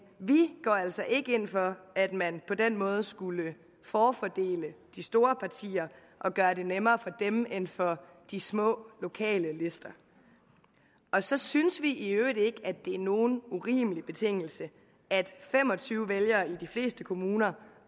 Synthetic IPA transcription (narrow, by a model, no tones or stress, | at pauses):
ʋiɡ̥ɒ̰æl̰sɒ̽ʔe̝ɡ̥əe̝n̰fɒ̽æd̥mænpʰɒ̽d̥en̰mɔ̽ːð̞ˠsɡ̥ulə | fɒːfɒd̥e̝̰ːləd̥isd̥o̝ːɐpʰɑ̈t͡sʰḭːɐ | ʔɒ̽ɡ̥ɶɐde̝nemɐːfɒ̽d̥emenfɒ̽ | d̥ismɔ̰̽ːlo̝kʰɛ̰ːləle̝sd̥ɐ | ɒ̽sɒ̽synsʋiʔiøːd̥̩ˠe̝ɡ̥æd̥e̝æɐno̝ːn̩uʁḭːməlib̥e̝t͡sʰe̝ŋ̰l̩sə | æd̥fem̰ɒ̽t͡sʰyːʊəʋeljɐːid̥ifle̝̰ːsd̥əkʰo̝muːnɐ